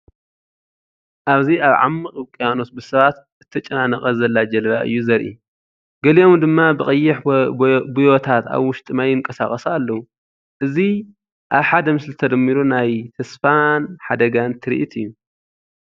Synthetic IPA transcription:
ʔaβziaβʕa̰mːɨχʼɨkʼijano̞t̪̚bɨsɐβat̪ | ɨt̪ʰːɐt͡ʃʼɐnanɐχʼɐzɐlːad͡ʒɐlβaʔɨ̰jːuzɐɾʔḭ | ɡɐlio̞md̪ɨmːabɨxʼɐjːɪħbujo̞t̪ʰat̪a̰βwʊʃt̪ʼɨmajɨŋkʼɐsa̰χʼɐsalːɐwu | ʔɨzi | ʔaβħad̪ɐmɨslɨt̪ʰɐd̪ɐmːiɾunajt̪ʰɐsfanħad̪ɐɡant̪ʰɨɾḭʔit̪ʰɨjːu

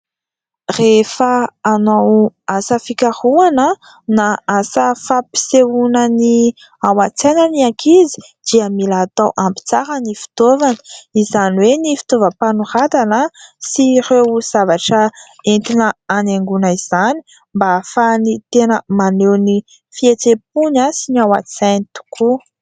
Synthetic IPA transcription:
refəːnawasəfikahuanə | naasəfapi̥seunəni | awat͡senəniakʰizi̥ | d̪̥iəmilaːt̪awʔampi̥t͡saɾənifi̥t̪ovani̥izaniwenifi̥t̪ovəpanuɾat̪anəsirewz̥avaʈ͡ʂə | ent̪inəaneŋɡunəiz̥ani | mbafanit̪enəmanewni | fiet͡sep̚unasiniawa̰t͡senit̪u̥ku

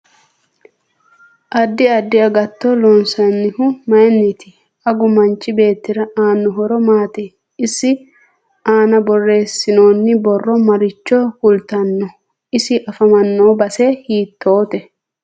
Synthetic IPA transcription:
ʔɐd̪ːɪɐd̪ːɪɐɡɐt̪ːɔloːnsɐnːɪhʊmɐjnːɪt̪ɪ | ɐɡʊmɐnt͡ʃʼːɪbe̞ːt̪ːɪɾɐʔaːnːʊɦɔɾɔmaːt̪ɪ | ɪsːɪ | aːnɐbɔrːe̞ːsːɪno̞ːnːɪbɔrːɔmɐɾɪt͡ʃːɔhʊlt̪ɐnːɔ | ɪsɪʔɐfɐmɐnːo̞ːbɐseːhiːt̪ːo̞ːt̪ɛ

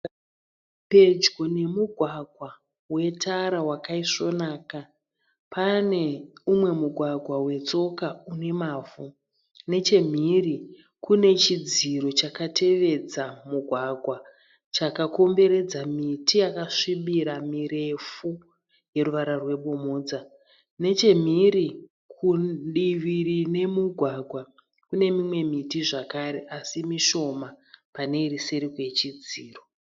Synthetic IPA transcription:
pe̞d͡ʒɡo̞ne̞muɡʱwaɡʱwa | we̞tʰaɾawakaiʂo̞naːka | pane̞umwe̞muɡʱwaɡʱwawe̞t͡so̞kaune̞maːvu | ne̞t͡ʃe̞m̤iri | kune̞t͡ʃid͡ziɾo̞t͡ʃakatʰe̞ʋe̞d͡zamuɡʱwaɡʱwa | t͡ʃakako̞mbe̞ɾe̞d͡zamitʰijakaʂimiɾamiɾe̞fu | je̞ruʋaɾarwe̞ɓomoːd͡za | ne̞t͡ʃe̞m̤iɾi | kʰuɗiʋirine̞muɡʱwaɡʱwa | kune̞mimwe̞mitiʐakaɾe̞ʔasimiʃo̞mapane̞iriseɾikwe̞t͡ʃid͡ziːro̞

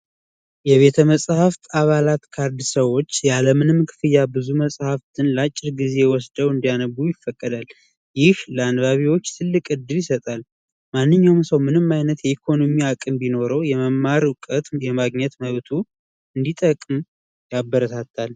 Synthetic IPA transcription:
jɛβe̞t̪ʰəməsʼhaft̪ʰaβalat̪kʰaɾd̪səwːo̞t͡ʃːjaləmɨnɨmkʰɨ̥fɨjːabɨzuməsʼhaft̪ʰɨnlat͡ʃʼːɪɾɡize̞wɔsd̪əwɨnd̪ijanəɡujɪfːəkʼːəd̪al | jɪhləanβaβiwot͡ʃːt̪ʰɨlːɨkʼɨd̪ːɨljɪsət̪ʼal | manːɨɲːawmsəwmɨnɨmːajnət̪jɛikʰo̞no̞miakʼɨmbino̞ɾəwjɛməmːaɾʊkʼət̪jɛmaɡɲɛt̪məβt̪ʰu | ɨnd̪it̪ʼəkʼːɨm | jabːəɾət̪ʰat̪ʰːal

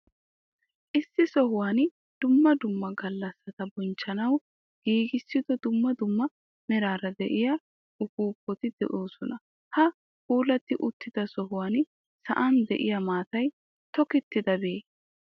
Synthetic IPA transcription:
ʔɪsːɪsɔɦʊwaːn | d̪̥ʊmːɐd̪ʊmːɐɡɐlːɐsːɐt̪ɐbɔnt͡ʃːɐnɐw | ɡ̥iːɡɪsːɪd̪ɔd̪ʊmːɐd̪ʊmːɐ | nɛɾaːɾɐd̪ɛ̰ʔɪja | ʔʊkuːpːɔt̪ɪd̪ɛ̰ʔoːsɔnɐ | hɐ | kuːlɐt̪ːɪʔʊt̪ːɪd̪̥ɐsɔɦʊwaːn | sɐ̰ʔɐnd̪ɛ̰ʔɪjɐmaːt̪ɐj | t̪ɔkɪt̪ːɪd̪ɐbeeː

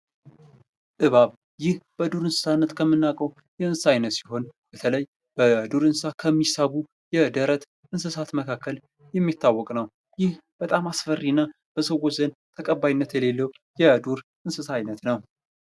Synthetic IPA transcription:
ʔɨβaβ | jɪhb̥əd̪uɾɨnsɨ̥sanːət̪kʰəmːɨnːakʼəw | jɛɨnsajnət̪siɦo̞nb̥ət̪ʰələj | b̥əd̪uɾɨnsakʰəmːisaβu | jɛd̪əɾət̪ | ʔɨnsɨsat̪məkʰakʰːəl | jɛmːit̪ʰːawːɔkʼnəw | jɪhb̥ət̪ʼamasfərːinːa | b̥əsəwoɔt͡ʃzənt̪ʰəkʼəbːajnːət̪jɛle̞lːəw | jɛd̪uɾʔɨnsɨsajnət̪nəw

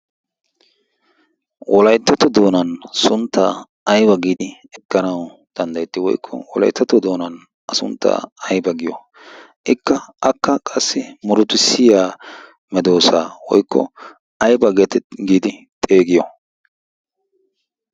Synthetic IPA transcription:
wʔɔlɐjt̪ːɐt̪ɔd̪o̞ːnɐnsʊnt̪ːaː | ɐjbɐɡiːd̪ɪ | ɛkːɐnɐwd̪̥ɐnd̪ɐjɛt̪ːɪwɔ̰jkʰːɔ̰wɔlɐ̰jt̪ːɐt̪ːɔd̪o̞ːnɐn | ʔɐsʊnt̪ːa̰ːɐjbɐɡɪjɔ | ʔɪkːɐʔɐkːɐkʼɐsːɪmʊɾʊt̪ɪsɪjaː | mɛd̪o̞ːsaːwɔ̰jkʰːɔ̰ | ɐjbɐɡɛt̪ɛɡiːd̪ɪ | t̪ʼeːɡɪjɔ

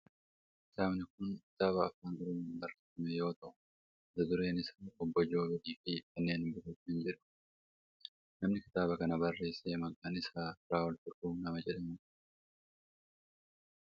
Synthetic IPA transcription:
ʔɪsaːmnɪkʊnkɪ̥t̪aːβɐːfːaːnɡɪɾɪnːnbɐrːesɐmɛjo̞ːt̪ɐʔʊ̥ | ɪd̪ɐd̪ʊɾe̞ːnɪsaːɔbːɔd͡ʒo̞ːbɛᶑiːfikɐnːe̞ːnbʊtɛt̪ɪnd͡ʒɪᶑʊ̥ | nɐmnɪkɪ̥t̪aːbɐkɐnɐbɐrːe̞ːseːmɐŋkʼːanɪsaːɪɾaːwɔlt̪ʊɾkuːnɐmɐd͡ʒɛᶑɐmʊ

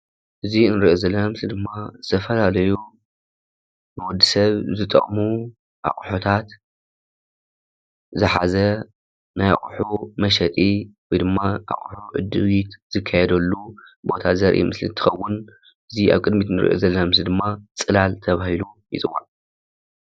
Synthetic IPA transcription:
ʔɨzinɨɾʔozɐlːɐnamsɨd̪ɨmːazɨt̪ʰɐfɐlalɐju | bɨwɔd̪ːisɐβzɨt̪ʼɐ̰χʼmu | ʔa̰χʼħot̪ʰat̪ | zɨħazɐ | naja̰χʼħumɐʃ̬ɐt̪ʼiwɔjd̪ɨmːaʔa̰χʼħuʕɨ̰d̪ɨwit̪z̥ɨkʰːajɛd̪ɐlːu | bo̞t̪ʰazɐɾʔḭmɨslḭt̪ʰɨ̥xɐwːʊn | ʔɨzia̰βkʼɨd̪mit̪nɨɾʔo̰zɐlːɐmɐmsɨd̪ɨmːat͡sʼɨlalt̪ʰɐβahilujḭt͡sʼɨwan

